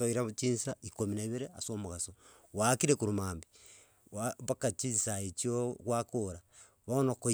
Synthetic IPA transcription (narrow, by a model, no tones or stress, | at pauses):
toiɾaβt͡ʃiːnsaikominaiβeɾeasomoɣaso | wakiɾekuɾumaːmbi | waβakat͡ʃiːnsaet͡ʃiokwakoɾa | βaonoko